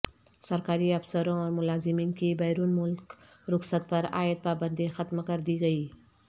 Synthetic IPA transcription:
sɐɾkaːɾiɐfsəɾõɔːɾmʊlaːzɪmiːnkibɛːɾuːnmʊlk | ɾʊxsət̪̚pɐɾa̰ːjət̪̚paːbə̃nd̪ixɐt̪mkɐɾd̪iɡɐiː

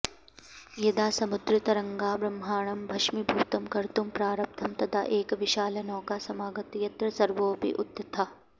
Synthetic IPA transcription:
jɐd̪aːsɐmud̪ɾɪt̪ɐɾɐŋɡaːbɾɐmɦaːɳɐmbʱɐʃmibʱuːt̪ɐmkɐɾt̪umpɾaːɾɐp̚t̪ʰɐmt̪ɐt̪ʰa̰ːʔeːkɐʋiʃaːlɐnɔːkaːsɐmaːɡɐt̪jɐt̪ɾɐsɐɾʋoːpḭʔut̪ːɐt̪ʰaː

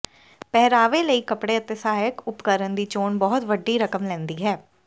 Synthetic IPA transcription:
pɛːɾaːʋeːləiːkəpɽeːət̪eːsaːjəkʊpkəɾənd̪iːt͡ʃoːɳbɔːt̪ʋəɖiːɾəkəmlɛ̃ːnd̪iːɦɛː

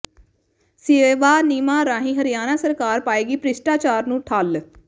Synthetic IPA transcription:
seʋaːniːmaːɾaːɦĩːɦəɾijaːnaːsəɾkaːɾpaːeːɡiːpɾɪsʈaːt͡ʃaːɾnũːʈʰaːl

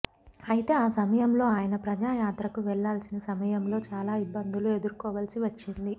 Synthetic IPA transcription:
ɐjit̪e̞ːaːsɐmɐjɐmlo̞ːaːjɐnɐpɾɐd͡ʒaːjaːt̪ɾɐkuʋɛɭːaːlsinɐsɐmɐjɐmlo̞ːt͡ʃaːlaːibːɐnd̪ʱulue̞d̪uɾukɔːʋɐlsiʋɐt͡ʃːind̪i

